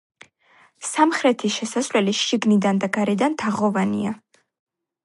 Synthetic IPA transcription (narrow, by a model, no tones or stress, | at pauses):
samχɾɛt̪ʰiʃɛsasvlɛliʃiɡnid̪and̪aɡaɾɛd̪ant̪ʰaʁɔvanḭa